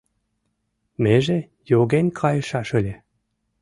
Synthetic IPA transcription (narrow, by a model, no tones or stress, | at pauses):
meʒe | joɣenʲkʰɑjɤ̆ʃɑʃɤlʲe